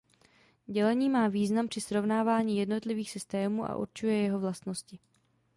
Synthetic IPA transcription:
ɟɛlɛɲiːmaːviːznampr̝̥ɪsɾo̞vnaːvaːɲiːjɛdno̞t̪lɪviːxsɪst̪ɛːmuːʔa̰ʔṵɾt͡ʃujɛjɛɦo̞vlast̪no̞scɪ

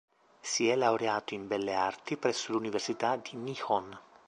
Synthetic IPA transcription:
siɛlːauɾeaːt̪oimbɛlːeart̪ipɾɛsːoluniversit̪ad̪inixɔn

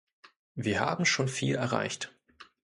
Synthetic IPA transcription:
viːɐha̰ːbm̩ʃoːnfiːlɛɐʁa̰ɪçt

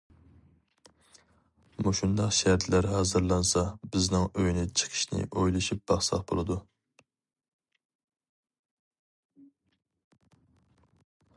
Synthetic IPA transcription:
muʃund̪ɑqʃæɾt̪ʰlæɾhɑːzɨɾlˠɑnsɑbɪznɪŋøjnɪt͡ʃʰə̥qʰə̥ʃnɪ̰ʔojlˠɨʃip̚b̥ɑχsɑ̰χbolˠɨd̪u

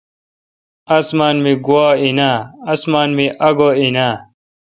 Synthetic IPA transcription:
ɐsmaːnmiɡuaːinaːɐsmaːnmiʔɐɡoːinaː

